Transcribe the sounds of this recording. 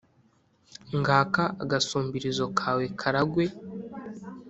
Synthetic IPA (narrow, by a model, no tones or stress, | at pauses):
ŋɡaːkaaɡasuːmbiɾizo̞kʰaːwe̞kʰaɾaɡwe̞